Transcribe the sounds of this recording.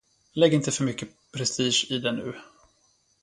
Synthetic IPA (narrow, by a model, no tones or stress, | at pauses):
lɛɡːɪnt̪əfœɾmʏkːəpʰɾɛst̪iːʂɪd̪ɛnʉ̟ː